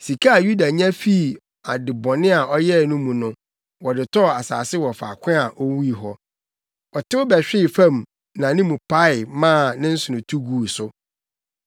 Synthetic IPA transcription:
si˨kʰa˦a˨ju˦da˨ɲã˦fi˦˨ | a˨dɪ˨bɔ̃˨nɪ̃˦a˨ʔɔ˦jɛ˦˨nʊ̃˦mũ˨nʊ̃˦ | wɔ˨dɪ˨tʰɔ˦˨a˨sa̰ː˨sɪ˦wɔ˨fa̰ː˨kʷʰɪ̃˦a˨ʔo˦wu˦i˨ɦɔ˦ | ɔ˨tʰɪ˦wʊ˦bɛ˨ɕᶣɪ˦˨fã˦˨m˨ | nã˨nɪ̃˦mũ˨pa˦ɪ˨mãː˦˨nɪ̃˦n̩˦sʊ˨ʊ̃˨tʰu˦ɡuː˨sʊ˦

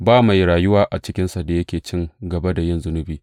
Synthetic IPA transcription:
baː˦ma˨jɽaː˨jʊ˦waː˨ʔa˨t͡ʃɪ˦kʲɪ˦nsa˨da˨jɐ˦kʲeː˨t͡ʃɪ˦ŋɡɐ˨ba˦da˨jɪ˦nzʊ˦nʊ˦biː˨

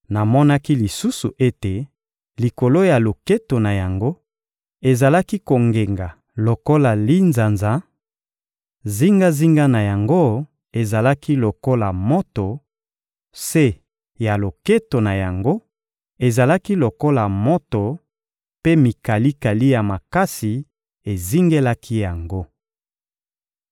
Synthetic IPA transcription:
na˨mɔ˦na˦ki˦li˨su˦su˨ʔe˦te˨ | li˨ko˨lo˦ja˨lo˨ke˦to˨na˨ja˨ŋɡo˦ | e˨za˨la˦ki˦ko˨ŋɡe˨ŋɡa˨ | lo˨ko˦la˨li˦nza˨nza˦ | zi˦ŋɡa˦zi˦ŋɡa˦na˨ja˨ŋɡo˦ | e˨za˨la˦ki˦lo˨ko˦la˨mo˦to˨ | se˦ | ja˨lo˨ke˦to˨na˨ja˨ŋɡo˦ | e˨za˨la˦ki˦lo˨ko˦la˨mo˦to˨ | pe˦mi˨ka˨li˦ka˨li˦ja˨ma˨ka˦si˨ | e˨zi˦ŋɡe˦la˦kʰi˦ja˨ŋɡo˦

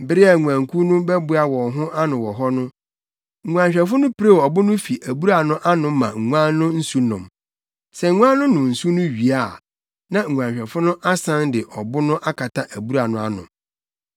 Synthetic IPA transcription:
m̩˨bɪ˦ɾɪ˦a˨ŋu˨ã˨ŋkʰu˦nʊ̃˦bɛ˦bʊ˦a˦wɔ̃˨ɦʊ̃˦ʔa˦nʊ̃˨wɔ˨ɦɔ˦nʊ̃˦ | ŋ̩˨ŋʷ˨ã˨ɲɕᶣɛ˨fʊ˦nʊ̃˦pɪ˦ɾe˦˨ɔ˨bʊ˦nʊ̃˦fi˨ʔæ˨bu˦ɾa˨nʊ̃˦ʔa˦nʊ̃˨˦mã˨ŋ̩˨ŋʷ˦ã˦nːʊ̃˦n̩˦su˦nʊ̰̃˨m | sɛ˨ŋ˦ŋʷ˦ã˦nːʊ̃˦nʊ̃˨n̩˨su˦nʊ̃˦ɥi˨a˦˨ | nã˨ŋ̩ʷ˨ã˨ɲɕᶣɛ˨fʊ˦nʊ̃˦ʔa˦sã˦ndɪ˨ʔɔ˨bʊ˦nʊ̃˦ʔa˦kʰa˨tʰa˦ʔæ˨bu˦ɾa˨nʊ̃˦a˦nʊ̰̃˨m

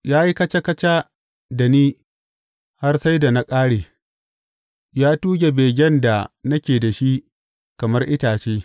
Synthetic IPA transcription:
jaː˦ji˦kɐ˦t͡ʃa˦kɐ˦t͡ʃa˦ | da˨niː˦ | ha˦rsa˦jda˨na˦kʼaː˦ɽeː˨ | jaː˦tuː˦ɡʲe˨beː˨ɡʲɛ˦nda˨nɐ˦kʲeː˨da˨ʃi˦ | kɐ˨mɐ˦rʔɪ˦taː˨t͡ʃeː˦

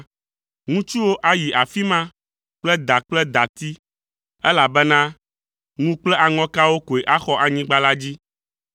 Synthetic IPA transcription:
ŋũ˦t͡ʃu˦wo˦ʔa˦ji˨ʔa˨fi˦mã˦ | k͡plɛ˦d̪a˨k͡plɛ˦d̪a˨t̪i˦ | ɛ˦la˨bɛ˦nã˦ | ŋũ˦k͡plɛ˦ʔa˨ŋɔ̃˦ka˦wo˦ko˨e˨ʔa˦xɔ˦ʔa˨ɲĩ˦ɡ͡ba˦la˦d͡ʑi˦

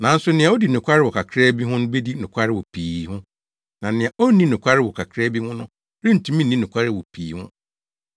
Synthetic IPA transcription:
nã˨˦n̩˦sʊ˦nɪ̃˨a˨˦o˦di˨nʊ̃˨kʷʰa˦ɾɪ˦wɔ˨kʰa˨kʰɾɛː˦bi˦ɦʊ̃˦nʊ̃˦be˦di˦nʊ̃˨kʰʷa˦ɾɪ˦wɔ˨pʰiː˨hʊ̃˦ | nã˨nɪ̃˨a˨ʔo˦nĩ˦nʊ̃˨kʷʰa˦ɾɪ˦wɔ˨kʰa˨kʰɾɛː˦bi˦hʊ̃˦nʊ̃˦ | ɾĩ˦n̩˨tʰũ˦mĩ˦nĩ˦nʊ̃˨kʷʰa˦ɾɪ˦˨wɔ˨pʰiː˨hʊ̰̃˦

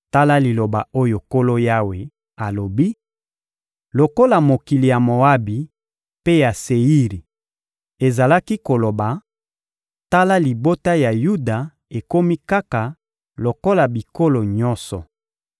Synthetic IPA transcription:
ta˦la˦li˨lo˨ba˨o˦jo˨ko˦lo˦ja˦we˨ | a˨lo˨bi˦ | lo˨ko˦la˨mo˨ki˨li˨ja˨mo˨a˦bi˨ | pe˦ja˨se˨i˦ʁi˨ | e˨za˨la˦ki˦ko˨lo˨ba˨ | ta˦la˦li˨bo˦ta˦ja˨ju˦da˨ | e˨ko˦mi˦ka˦ka˨ | lo˨ko˦la˨bi˨ko˦lo˨ɲɔ˦nsɔ˨

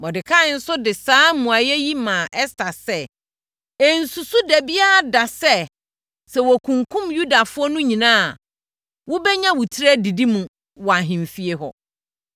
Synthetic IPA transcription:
wɔ˨dɪ˨kʰa˦n̩˦sʊ˦dɪ˨saː˦mũ˨a˨jɛ˦ji˦mãː˨ʔɛ˦stʰa˨sɛ˦ | ɛ˨n̩˨su˨su˦dæ˨bi˦a˦a˨da˨sɛ˦ | sɛ˨wɔ˨kʰũ˨ŋkʰʊ̃˦mju˦da˨fʊ˦ɔ˦nʊ̃˦ɲĩ˨nãː˦a˨ | wʊ˦bɛ˦ɲã˦wʊ˨tʰi˦ɾɛ˦di˨di˦mũ˨ | wɔ˨a˨ɦɪ̃˨ɱ˨fi˦e˦ɦɔ̰˨

